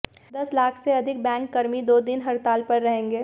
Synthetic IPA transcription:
d̪ɐslaːkʰseɐd̪ʱɪk̚bɛ̃ːŋkːɐɾmid̪oːd̪ɪnɦɐɾt̪aːlpɐɾːɐɦẽːŋɡeː

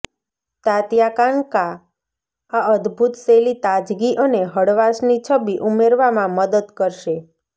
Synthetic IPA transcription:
t̪at̪jakanka | aəd̪bʱut̪selit̪ad͡ʒɡiʔəneɦəɽʋasnit͡ʃʰəbiʔumeɾʋamãməd̪əd̪kəɾʃe

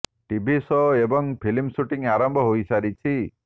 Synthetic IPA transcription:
ʈibʱisɔebɔŋpʰilimsuʈiŋaɾɔmbʱɔɦojsaɾit͡ʃʰi

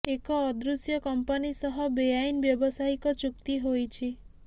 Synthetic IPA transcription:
ekɔːd̪ɾusjɔkɔmpanisɔɦɔbejajnbjɔbɔsaikɔt͡ʃukt̪iɦojt͡ʃʰi

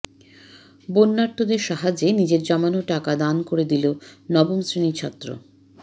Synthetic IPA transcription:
bonːaɾt̪ːod̪eɾʃaɦad͡ʑenid͡ʑeɾd͡ʑɔmanoʈakad̪ankoɾed̪ilonɔbomsɾinit͡ɕʰɔt̪ːɾo̰

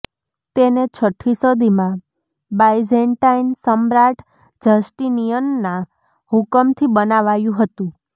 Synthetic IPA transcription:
t̪enet͡ʃʰəʈʰːisod̪imã | bajd͡ʒeɳʈainsəmɾaʈʰ | d͡ʒəsʈinijənːã | hukəmt̪ʰibənaʋajũɦət̪ũ

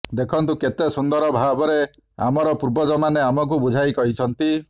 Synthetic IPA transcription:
d̪ekʰɔnt̪uket̪esund̪ɔɾɔbʱabɔɾe | a̰mɔɾɔpuɾbɔd͡ʒɔmaneamɔk̬ubud͡ʒʱajkɔɦit͡ʃʰɔnt̪i

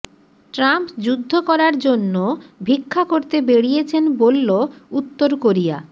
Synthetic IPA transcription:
ʈɾampd͡ʑud̪ʱːokɔɾaɾd͡ʑonːobʱikʰːakoɾt̪ebeɽijet͡ɕʰenbolːout̪ːoɾkoɾija̰

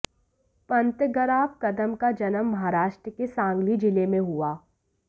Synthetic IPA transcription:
pɐ̃nt̪ɡəɾaːb̚kɐd̪əmkad͡ʒɐnəmːɐɦaɾaːʃʈɾəkesãːŋɡlid͡ʒɪlemẽɦʊaː

